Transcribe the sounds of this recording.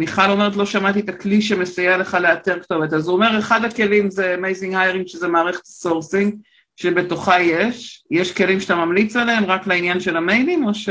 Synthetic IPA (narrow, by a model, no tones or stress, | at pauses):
niχalo̞me̞ʁet̪̬lo̞ʃamat̪iet̪akliʃemesajale̞χaleateʁkto̞vetazuome̞ʁeχadhake̞limzemejziŋhajeʁiŋɡʃezemaːʁeχe̥tso̞ʁsiŋɡ | ʃebe̞to̞χajeʃjeʃke̞limʃe̥tamamlit͡saleemʁaklainjanʃe̞lamejdimo̞ʃ